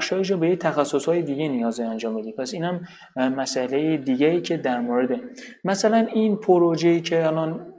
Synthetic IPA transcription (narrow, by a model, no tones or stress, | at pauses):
æxʃɒːjeʃ̬ɔbe̞ject̪ʰæxæsːoshɒːjed̪iɡenijɒːzeænd͡ʒɒːmbed̪iːpʰæsiːnhæm | mæsʔælejed̪iɟæiːcʰe̞d̪æɾmoɾed̪emæsælæninpʰoɾod͡ʒejiːcʰeælɒn